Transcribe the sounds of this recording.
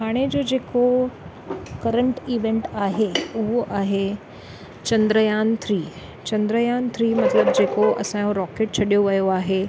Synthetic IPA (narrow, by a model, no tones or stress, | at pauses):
ɦaːɽ̃ed͡ʑod͡ʑeːko | kɐɾə̃ɳʈiːʋẽɳʈaːɦeʊɦoʔaːɦe | t͡ɕɐ̃nd̪ɾəjaːnt̪ʰɾiː | t͡ɕɐ̃nd̪ɾəjaːnt̪ʰɾiːmɐt̪ləbd͡ʑeːkoʔɐ̰sãjõɾɔːkeːʈ̚t͡ɕʰɐɗijoʋɐjoaːɦe